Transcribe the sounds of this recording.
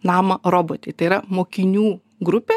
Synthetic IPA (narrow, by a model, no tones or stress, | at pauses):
nɑːmɐɾoːboːt̪ʲeːt̪ɐɪiɾɐmoːkʲɪnʲuː | ɡɾʊpʲeː